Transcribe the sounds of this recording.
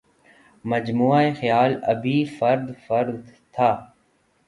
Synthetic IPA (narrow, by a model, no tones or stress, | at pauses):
məd͡ʒmuːaːexəjaːlə̰bʱiːfəɾd̪fəɾd̪t̪ʰaː